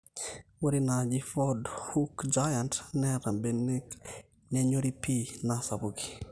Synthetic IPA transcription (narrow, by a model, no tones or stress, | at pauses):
woɾinad͡ʒifɔdhukd͡ʒajantnɛɾambenɛk | nɛɲoɾipinasabuki̥